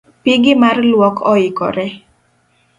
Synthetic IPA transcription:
piɡɪmarlwɔkʰɔɪkɔ̰ɾɛ

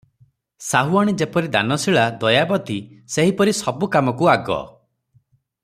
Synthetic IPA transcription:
saɦuaɽ̃id͡ʒepɔɾid̪a̰nɔsiɭad̪ɔjabɔt̪iseɦipɔɾisɔbukamɔkuaɡɔ̰

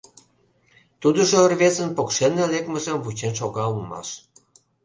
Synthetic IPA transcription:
t̪ud̪ə̆ʒoːrvezə̆npokʃenelekmə̆ʒĕmvut͡ɕenʃ̬oɣɑulmɑ̰ʃ

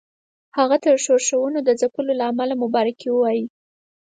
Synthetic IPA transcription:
haɣat̪əɾʃoɾʃawənod̪əzapəlolaːmalamʊbɑɾakewəwɑji

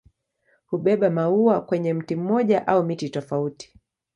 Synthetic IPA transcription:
huɓɛɓamauakwɛɲɛm̩tim̩mɔʄaʔaumititɔfauti̥

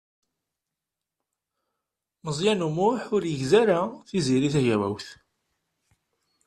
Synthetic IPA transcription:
məzˤjænumʊħʊɾjəʝzæɾaθiziɾiθæʝæwæ̰wθ

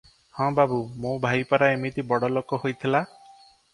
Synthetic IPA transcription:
hɔ̃babumõbʱajpaɾaemit̪ibɔɽɔlokɔɦojt̪ʰila

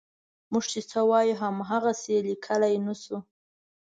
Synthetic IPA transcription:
muʐt͡ʃit͡sawɑjuɦamɦaɣaselikʰəlajnasu

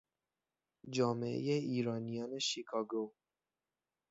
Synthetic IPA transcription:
d͡ʒɒːmeʔḛjeiːɾɒːnijɒːne̞ʃikʰɒːɡo

